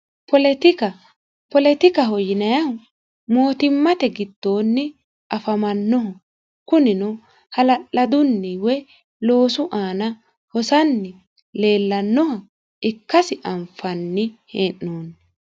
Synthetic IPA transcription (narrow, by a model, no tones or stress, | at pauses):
pɔlɛt̪ɪkɐ | pɔlɛt̪ɪkɐɦɔjɪnɐjɐʊ | mo̞ːt̪ɪmːɐt̪ɛɡɪd̪̥ːoːnːɪ | ʔɐfɐmɐnːɔɦɐ | kʊnɪnʊ | hɐlɐʔɐd̪ʊnːɪwɛ | lo̞ːsʊʔaːnɐ | hɔsɐnːɪ | le̞ːlːɐnːɔhɐ | ʔɪkːɐsɪʔɐmfɐnːɪheːnːoːn